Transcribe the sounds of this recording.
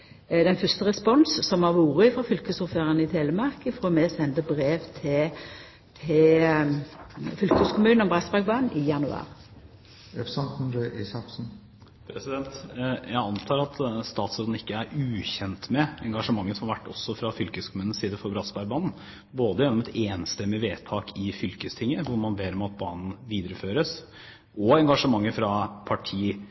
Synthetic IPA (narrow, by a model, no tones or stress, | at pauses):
d̪ɛnfʏst̪əʁɛspɔnsːɔmhɑɾʋuːɾəɪfʁɑfʏlkəsʊɾføːʁənəɪt̪ʰeːləmɑʁkəfoːmɛsɛnd̪əbɾeːʋt̪ʰɪ | t̪ʰɪl | fʏlkəskʰʊmʉːnnɔmbʁɑsbæɾɡ̚bɑːnʔɪjɑnʉɑ̰ːʁ | ɛfsɑnnɛʔisɑfsn̩ | pʰɾɛsɪd̪ɛnt̪jæɪɑnt̪ʰɑːɾɑt̪st̪ɑːt̪sud̪n̩ɪkːəæɾʉːçɛnt̪mɛɛŋɡɑʂəmɑŋːəsɔmɑɾʋæʈːɔ̰sːɔfɾɑfʏlkəskʰʊmʉːn̩siːd̪əfɔɾbɾɑsbæɾbɑːnn̩ | boːd̪əjɛnːɔmɛt̪ʰeːnst̪ɛmːɪʋeːt̪ʰɑːkɪfʏlkəst̪ʰɪŋːəʋʊɾmɑnbeːɾɔmɑt̪̚bɑːnn̩ʋiːd̪ɾəføːɾəs | ɔɛŋɡɑʂəmɑŋːəɾfɾɑpʰɑʈʰiː